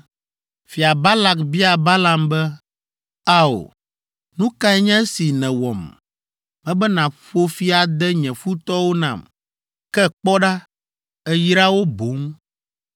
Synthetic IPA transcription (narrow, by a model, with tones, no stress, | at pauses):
fi˨a˨ba˦la˨kbi˦a˨ba˦la˨mbɛ˦ | a˦o̰˨ | nũ˦ka˦ɛ˦ɲɛ̃˦si˨nɛ̃˨wɔ̰˨m | mɛ̃˦bɛ˦nã˨ɸo˦fi˦a˨d̪ɛ˦ɲɛ̃˨fu˦t̪ɔ˦wo˦nã̰˨m | kɛ˦k͡pɔ˦ɖa˦ | ɛ˦jɾa˦wo˦bo˨˦ŋ